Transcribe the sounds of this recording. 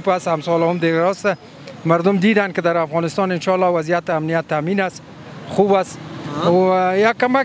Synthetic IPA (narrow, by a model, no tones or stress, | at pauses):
pashamsɔlaʊmd̪eɡaɾɔst̪a | maɾd̪ʊmd̪id̪ankɪd̪aɾafɣɑnɪst̪ɑnɪnʃɑlːɔwazijat̪ɪamnijat̪ːaminas | xubas | jakkːama